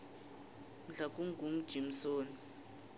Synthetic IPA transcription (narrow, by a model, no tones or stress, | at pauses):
m̩ɮakʼuŋɡum̩d̥ʒ̥ʱim̩soːni